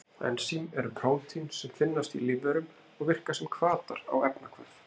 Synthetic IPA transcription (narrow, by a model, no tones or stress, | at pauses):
ɛ̰nsimɛɾpʰɾaːwt̪ʰinsɛmfɪnːast̪iliːvɛɾʏm | ɔɣvɪr̥kḁsɛmkʰvaːt̪a̰ɾa̰wɛpnakʰvœf